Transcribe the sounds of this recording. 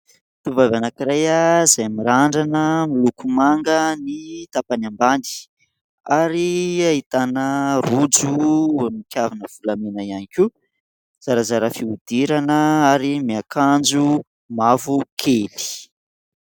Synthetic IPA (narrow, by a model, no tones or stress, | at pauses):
t̪uvavanakiɾajazajmiɾaɳɖ͡ʐanəmilukumaŋɡənit̪apanamband̪i̥ | aɾiaɦit̪anərud͡zumikʲjavinəv̥ulamenaianikʲu | z̥aɾazaɾəfiud̪̥iɾanəaɾimiakand͡ʒu | mavukʰeli̥